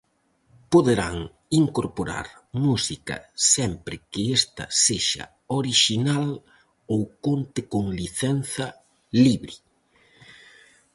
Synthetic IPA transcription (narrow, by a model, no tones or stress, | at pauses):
poðeɾaŋ | iŋkoɾpoɾa̰ɾmusikɐ̰sɛmpɾɪkɪest̪ɐ̰seʃɐ̰ | oɾiʃinal | owkont̪ɪkoŋliθɛn̟θɐ | liβɾi